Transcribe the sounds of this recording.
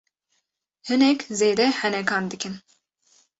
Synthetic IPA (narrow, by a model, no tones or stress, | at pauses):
hɨnɛkzeːd̪ɛhɛnɛkɑːnd̪ɨkɨn